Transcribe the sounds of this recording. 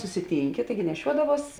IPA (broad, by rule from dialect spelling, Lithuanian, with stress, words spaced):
sʊsʲɪˈtʲiːŋʲkʲɪ ˈtɐɪɡʲɪ nʲɛˈʃʲuɔdɐʋuɔs